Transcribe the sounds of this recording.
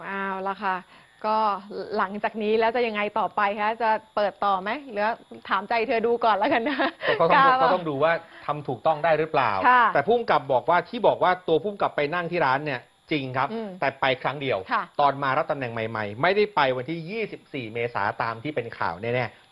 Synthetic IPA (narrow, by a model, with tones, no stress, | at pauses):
ʔaː˧˩wla˨˥˩kʰa˧˥˩ | kɔː˥˩la˩˦ŋt͡ɕaː˨˩k̚niː˦˥lɛː˦˥wt͡ɕa˨˩ja˧ŋːa˧jt̪ɔː˨˩pa˧jkʰa˦˥t͡ɕa˨˩pɤː˨˩t̪ːɔː˨˩ma˦˥jlɯ˩˦ɐt̪ʰaː˨˦mt͡ɕa˧jt̪ʰɤː˧duː˧kɔː˨˩nla˦˥ka˧nːa˦˥˧kːt̪ɔ˥˩ŋduː˧waː˥˩t̪ʰa˧mt̪ʰuː˨˩k̚t̪ɔ˥˩ŋdaː˥˩jɾɯ˦˥pla̰ː˨˩wkʰa˥˩ɛː˨˩pʰuː˥˩mka˨˩p̚bɔː˨˩k̚waː˥˩t̪ʰiː˥˩bɔː˨˩k̚waː˥˩t̪u˧ɐpʰuː˥˩mka˨˩pːa˧jna˥˩ŋt̪ʰiː˥˩ɾaː˦˥nːi˥˩ɐ | t͡ɕi˧ŋkʰa˦˥pʔɯ˧˩t̪ɛː˨˩pa˧jkʰɾa˦˥ŋdi˧əwkʰa˥˩t̪ɔː˧nmaː˧ɾa˦˥t̪a˧mnɛ˨˩ŋma˧jma̰˧jma˥˩jda˥˩jpa˧jwa˧nt̪ʰiː˥˩jiː˥˩si˨˩p̚siː˨˩meː˧sa̰ː˩˦t̪aː˧mt̪ʰiː˥˩pe˧nkʰa̰ː˨˩wnɛː˥˩nɛː˥˩